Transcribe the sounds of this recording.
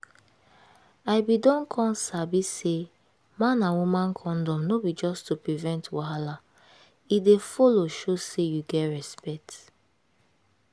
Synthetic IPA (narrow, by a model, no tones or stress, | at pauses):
aɪbidɔ̃nkʰɔ̃nsabise | mãnãnwumãnkʰɔ̃ndɔ̃mnobid͡ʒɔstupɹivɛ̃ntwaɦala | idefɔloʃosejuɡɛtɹɛspɛt